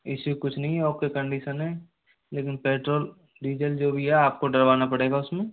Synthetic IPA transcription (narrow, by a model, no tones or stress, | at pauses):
ɪsikʊt͡ʃʰnɐɦĩɦɛoːp̚kekə̃ɳɖiːʃənɦɛː | leːkɪnpeːʈɾoːl | ɖiːd͡ʒəld͡ʒoːbʱiɦɛaːp̚koɖɐɾʋaːnapɐɽeːɡaʊsmẽː